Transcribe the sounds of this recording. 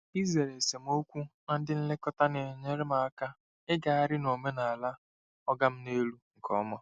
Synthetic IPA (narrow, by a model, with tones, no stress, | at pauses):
i˦ze˨ɾe˨se˨m̩˦o˦kʷu˦na˦n̩˦dɪ˦n̩˦le˦kɔ˦ta˦ne˨ɲe˦ɾe˦ma˨a˦ka˦ | ɪ˦ɡa˨a˦˨ɾɪ˦no˨me˦na˨a˨la˦ | ɔ˦ɡa˦m̩˦ne˦lu˦ŋ̩˨kʰɔ̰˦mɔ˦